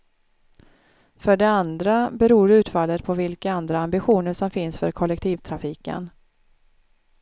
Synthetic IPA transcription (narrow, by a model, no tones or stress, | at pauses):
fœɖɛand̪ɾabɛɾuːɾʉ̟ːt̪falːət̪pʰɔvɪlkaand̪ɾaambɪɧuːnəʂɔmfɪnsfœɾkʰɔlːɛk̚t̪ʰiːvt̪ʰɾafiːkə̰n